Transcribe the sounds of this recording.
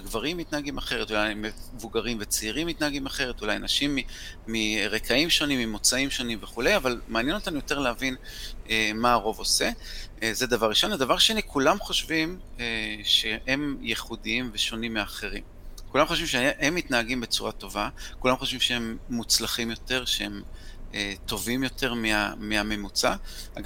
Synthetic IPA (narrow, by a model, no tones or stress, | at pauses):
ɡvaʁimːit̪naaɡimaχe̞ʁet̪ulajmevuɡaʁimvet͡seiʁimːit̪naaɡimaχe̞ʁet̪ula̰janaʃimːiː | iʁekʰaimʃo̞nimːimo̞t͡saimʃo̞nimveχulejavalmaːnjɛnot̪anujo̞te̞ʁleavinemaːʁo̞vo̞se̞ | zed̪avaʁiʃo̞nad̪avaʁʃe̞nikʰulamχo̞ʃvim | eʃehe̞mjeχudiimveʃo̞nimːeaχe̞ʁim | kulamχoʃvimʃeʔemːitnaaɡimbe̞t͡suʁat̪o̞vakulamχo̞ʃvimʃeemːut͡slaχimjo̞te̞ʁʃeemeto̞vimjo̞tʰe̞ʁmia̰miame̞mut͡saaɡ